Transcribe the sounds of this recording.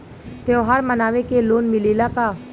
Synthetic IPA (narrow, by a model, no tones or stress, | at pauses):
t̪eʋɦaːɾmɐnaːʋekeloːnmɪliːlakaː